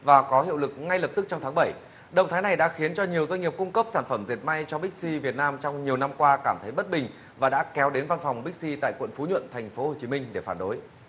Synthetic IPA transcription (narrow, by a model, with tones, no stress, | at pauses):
vaː˨˩kɔ˨˦hḭ˧˨wlɨ˨˩k̚ŋa˧jlə˨˩p̚t̪ɨ˦˥k̚t͡ɕɔ˧ŋ͡mt̪ʰaː˨˦ŋɓə˧˩j | ɗə̰˧˨wŋ͡mt̪ʰaː˨˦jna˨˩jɗa̰ː˧˥xi˨˦ənt͡ɕɔ˧ɲi˨˩əwzwa˧ɲ̟ŋi˨˩əp̚kʊ˧ŋ͡mkə˦˥p̚saː˧˩nfə˧˩mzi˨˩ət̚ma˧jt͡ɕɔ˧ɓï˦˥k̟̚si˧vi˨˩t̚naː˧mt͡ɕɔ˧wŋ͡mɲi˨˩əwna˧mkwaː˧kaː˧˩mt̪ʰə˨˦jɓə˦˥t̚ɓï˨˩ŋ̟ | vaː˨˩ɗa̰ː˧˥kɛ˨˦wɗe˨˦nva˧nfwŋ͡mɓi˦˥k̚si˧t̪a̰ː˧˨jkwə̰˧˨nfu˨˦ɲwə̰˧˨nt̪ʰɛ˨˩jŋ̟fo˨˦ho˨˩t͡ɕi˨˦mï˧ŋ̟ɗe˧˩faː˧˩nɗo˨˦j